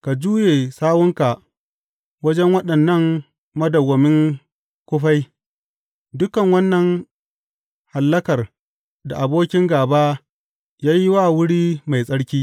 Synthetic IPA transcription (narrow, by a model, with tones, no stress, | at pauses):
ka˨d͡ʒuː˦jeː˨saː˦wʊ˦ŋka˨ʔ | wɐ˦d͡ʒɛ˦ŋwɐ˦ɗɐ˨nːɐ˦˨ŋ | mɐ˦dɐ˨wɐ˨mɪ˦ŋ | kʷʊ˦ɸa˦j | dʊ˦kɐ˨ŋwɐ˦nːɐ˨ŋ | ha˨lːɐ˦kɐ˨r | da˨ʔa˨boː˦kʲɪ˦ŋɡaː˨baː˦ | jaː˦ji˦waː˦˨wʊ˦ɽiː˦ma˨jsʼɐ˦ɽkʲiː˦